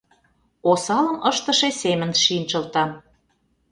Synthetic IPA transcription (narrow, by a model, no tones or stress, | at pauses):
osɑlə̆məʃt̪ə̆ʃesemə̆nʃint͡ɕə̆lt̪ɑ